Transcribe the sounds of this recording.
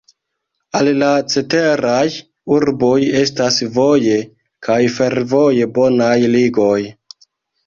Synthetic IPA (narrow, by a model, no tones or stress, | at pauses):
allat͡se̞te̞ɾaj | uɾbo̞je̞stasvo̞je̞ | kʰajfe̞ɾvo̞je̞bo̞najliɡo̞j